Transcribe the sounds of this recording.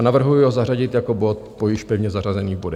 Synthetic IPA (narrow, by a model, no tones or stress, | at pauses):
navr̩ɦujʊɦozaraɟɪt̪jako̞bo̞t̪̚pojɪʃpɛvɲɛzarazɛniːbodɛ